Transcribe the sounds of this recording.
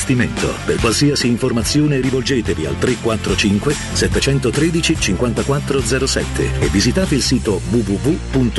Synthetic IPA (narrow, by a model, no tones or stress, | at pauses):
st̪iment̪o̰perkwalsiːɐsiːɱformat̪sːjoːneɾivold͡ʒeːt̪evia̰lt̪ɾekːwat̪ːɾot͡ʃiŋkwe | sɛt̪ːet͡ʃɛnt̪ot̪ɾeːd̪it͡ʃit͡ʃiŋkwant̪akwat̪ːɾod̪zɛːɾosɛ̰t̪ʰːḛevːizit̪aːt̪eilsiːt̪ovuvuvupunt̪